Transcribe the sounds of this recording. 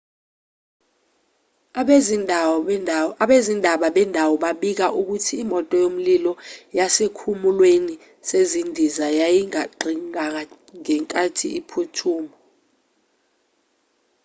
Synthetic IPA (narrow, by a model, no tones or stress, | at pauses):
ɓezindʱaɓaɓɛndʱawɔɓaɓik̬aʔuk̬utʰiːmɔtʼɔjom̩lilɔjasekʰumulweni | sezindʱizajajiŋaǃʱiŋak̬a | ŋɛŋkʼatʰḭipʰutʰuːmɔ